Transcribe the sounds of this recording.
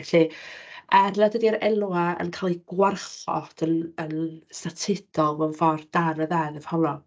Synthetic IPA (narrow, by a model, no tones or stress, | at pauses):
ɬiʔarnadədiaɾɛluaə̰nkʰaːlˠiɡ̥warχɔ̰d̥ənənstatʰɪd̥ɔlˠvɔnvɔrd̥anəðaðɛv̥hɔnɔ